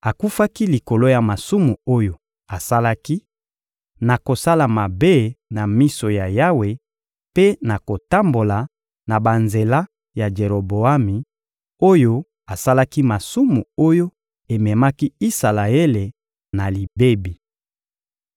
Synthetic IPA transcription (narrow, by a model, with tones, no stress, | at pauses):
a˨ku˦fa˦ki˦li˨ko˨lo˦ja˨ma˨su˦mu˨o˦jo˨ | a˨sa˦la˦ki˦ | na˨ko˨sa˦la˨ma˨be˦na˨mi˦so˨ja˨ja˦we˨ | pe˦na˨ko˨ta˦mbo˨la˨ | na˨ba˨nze˨la˦ | ja˨d͡ʒe˨ʁo˨bo˨a˦mi˨ | o˦jo˦ | a˨sa˦la˦ki˦ma˨su˦mu˨o˦jo˦ | e˨mɛ˨ma˦ki˦i˦sa˨la˨e˦le˨ | na˨li˨be˦bi˨